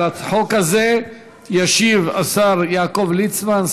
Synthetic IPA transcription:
at͡sħo̞khaze | jaʃiva̰saʁjaːko̞vlit͡sman

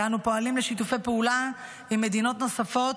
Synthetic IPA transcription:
anupoalimleʃit̪ufe̞jpeula | imːe̞d̪ino̞t̪no̞safo̞t̪

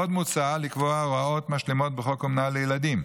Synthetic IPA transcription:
od̪mut͡saalikvoaʁao̞t̪maʃlemo̞t̪̚beχo̞komnalejelad̪im

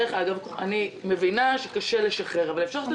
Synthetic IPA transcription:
eχaɡavkoχa̰nime̞vinaʃe̥kaʃeleʃaχe̞ʁavalefʃat

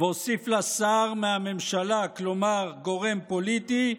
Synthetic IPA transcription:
vosiflasaːʁmeame̞mʃalaklomaʁɡo̞ʁe̞mpolit̪i

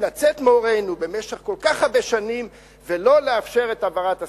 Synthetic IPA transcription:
lat͡set̪meoʁejnube̞meʃeχko̞lkaχhabeʃanim | velo̞leafʃe̞ʁe̞tavaʁata

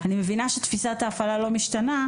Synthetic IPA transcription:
animevinaʃet̪fisat̪aːfalalo̞miʃtana

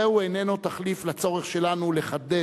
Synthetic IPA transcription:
euene̞nut̪aχliflat͡so̞ʁeχʃe̞lanuleχad̪e

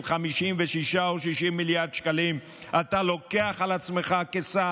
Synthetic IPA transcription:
χamiʃimveʃiʃaoʃiʃimːiljaʁd̪ʃkalim | ʔat̪alo̞keaχalat͡sme̞χakesa

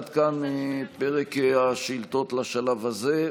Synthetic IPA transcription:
t̪kanmipeʁekaʃilt̪o̞t̪laʃalavaze

